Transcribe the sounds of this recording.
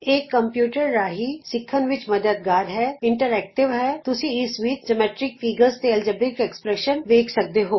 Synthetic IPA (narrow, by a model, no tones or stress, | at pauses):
eːkːə̃mpjuːʈəɾɾaːɦiːsɪkʰːənʋɪt͡ʃməd̪əd̪̚ɡaːɾɦɛːɪɳʈəɾɛːk̚ʈɪʋɦɛːt̪ʊsĩɪsʋiːt̪̚d͡ʒəmɛːʈɾɪk̚fʰiːɡəɾzt̪eɛld͡ʒəbɪkɛkspɾɛːʃənʋeːkʰsək̚d̪eɦoː